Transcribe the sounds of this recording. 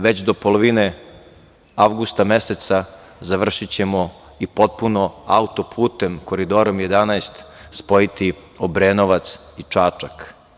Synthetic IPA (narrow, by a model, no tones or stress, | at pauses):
ʋe̞t͡ɕd̪o̞polˠoʋine | aʋɡust̪ameset̪sa | zaʋr̩ʃit͡ɕe̞mo | ipo̞t̪̚punoaut̪o̞pʰuːt̪emko̞ɾid̪oɾomjed̪anajst̪spo̞it̪i | obɾeːnoʋat̪sit͡ʂat͡ʂak